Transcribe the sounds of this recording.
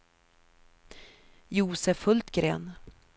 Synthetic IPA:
juːsəfɵlt̪ɡɾḛːn

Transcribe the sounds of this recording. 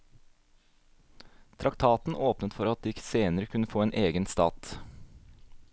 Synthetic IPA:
t̪ʰɾɑkt̪ʰɑːt̪n̩ʔoːpnət̪fɔɾɑt̪̚d̪iːseːnəɾəkʰʉnəfoːeːnʔeːɡənst̪ɑ̰ːt̪

